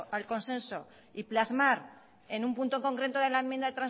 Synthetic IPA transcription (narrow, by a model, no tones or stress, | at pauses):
ʔalko̞nsẽ̞nso̞ | iplazmaɾ | e̞nũmpunt̪oeŋko̞ŋkɾe̞t̪oðe̞laemjẽnd̪aðe̞t̪ɾan